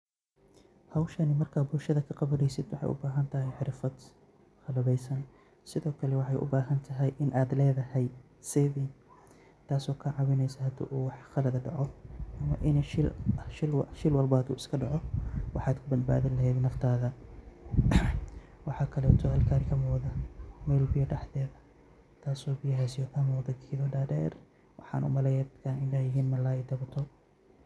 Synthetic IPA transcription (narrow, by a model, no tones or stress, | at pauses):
hɐwʃɐnɪmɐrkʰaːbʊlʃɐðɐkʰɐqɑβɐnɛjsɪd̪wɑħɑ̰jʔʊ̰baːɦɐnt̪ʰɐɦɛjħɪɾfɐd̪ | χɐlɐβɛjsɐn | sɪðɔːkʰɐlɛwɑħɑjʔʊ̰baːɦɐnt̪ʰɐɦɛjʔɪnʔaːd̪lɛːðɐhɛj | sɛːði | t̪ʰaːsɔːkʰɐʕɑβɪnɛjsɐhɐd̪ʊ̰ʔuːwɑħχɐlɐðɐɖɑʕɔʔɐmɐʔɪnɛʃɪlʃɪlwʃɪlwɐlbad̪ṵːʔɪskʰɐɖɑʕɔwɑħɑːd̪kʰʊbɐd̪̚ba̰ːðɪnlɐɦɛd̪nɐft̪ʰaːðɐ | wɑħɑːkʰɐlɛːt̪ʰɔɐlkʰaɾɪkʰɐmɔːðɐmɛːlbɪjɐɖɑħðɛːðɐ | t̪ʰaːsɔːbɪjɐɦasɪjɔkʰɐmɔːðɐkʰiðɔɖaːdɛ̰ːr | wʔɑħɑ̰ːnʔʊ̰mɐlɛjɛkʰanɪndajɪɦiːnmɐlaːɛd̪ɐbɐt̪ʰɔ